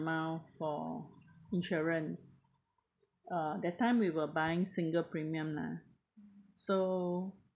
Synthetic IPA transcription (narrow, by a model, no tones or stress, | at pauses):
maʊfɔ̰ | ĩnʃɔɹə̃ns | ʌdɛtːãɪ̃mwiwəbajɪ̃ŋsĩŋɡəlpɹĩmiə̃mna̰ | so